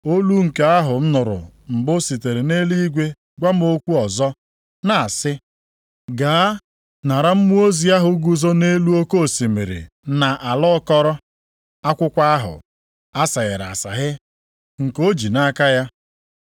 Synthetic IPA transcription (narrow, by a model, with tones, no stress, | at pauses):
o˦lu˦ŋ̩˨ke˦a˦ɦʊ˨m̩˦nʊ˨ɾʊ̰˨m̩˨bʊ˦si˨te˨ɾe˨ne˦li˦ɡʷe˦ | ɡʷa˦m̩˦o˦kʷu˦ɔ˨zɔ˦ | na˨a˨sɪ˦ | ɡaː˨˦ | na˨ɾa˦m̩˦mu˦o˦zi˨˦a˦ɦʊ˨ɡu˨zo˦ne˦lu˦o˦ko˦˨si˨mḛ˨ɾḛ˨ | na˨ʔa˨lɔ˦kɔ˦ɾɔ˦ | a˦kʷʊ˦kʷa˦a˦ɦʊ̰˨ | a˦sa˨ɣɪ̰˨ɾa̰˨sa̰˨ɦɪ˦ | ŋ̩˨ko˦d͡ʒi˨na˦ka˦ja˦